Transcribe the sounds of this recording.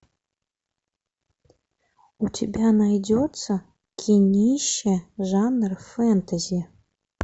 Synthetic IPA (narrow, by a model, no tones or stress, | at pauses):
utʰʲebʲanajdʲot̪t͡sə | kʲʰinʲiʃeʐanrfɛnt̪ʰazʲi